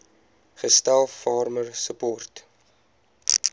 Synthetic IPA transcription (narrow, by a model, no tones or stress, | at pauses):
χəstælˠfɑːrmərsəpɔrt